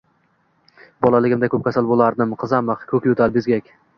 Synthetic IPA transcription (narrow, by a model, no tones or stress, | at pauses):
bɒlˠalɪɡʲɪmd̪akʰʲɵp̚kʲʰasalˠbolˠaɾd̪ɪmqʰɨzamɨqkʲʰɵkʲjʊt̪ʰaɾbɪzɡʲakʲ